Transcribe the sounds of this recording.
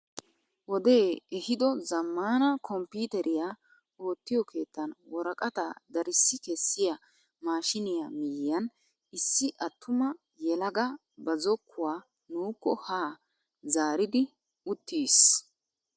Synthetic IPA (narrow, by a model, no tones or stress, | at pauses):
wɔd̪e̞ːɛhɪd̪ɔzɐmːaːnɐkʰɔmpiːt̪ɛɾʔɪja | o̞ːt̪ːɪjɔkʰe̞ːt̪ːɐnwɔɾɐkʼɐt̪ɐd̪ɐɾɪsːɪkɛsːɪjɐ | maːʃɪnɪjamɪjɪjɐn | ɪsːɪʔɐt̪ːʊmɐ | jɛlɐɡɐ | bɐzɔkʰːʊwaː | nuːkːɔhaː | zaːɾɪd̪ɪ | ʊt̪ʰːiːs